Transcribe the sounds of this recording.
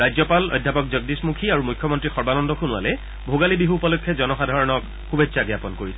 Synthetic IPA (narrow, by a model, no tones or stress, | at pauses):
ɹajzɔpalɔ̰jd̪ʱːapɔk̚zɔɡ̚dismukʰiaɹumujkʰːjɔmɔntɹixɔɹbanɔndɔxunʊa̰lɛ | bʱoɡalibiɦupɔlɔkʰːɛzɔnɔxadʱaɹɔnɔk | xubetːsaɡjapɔnkoɹisɛ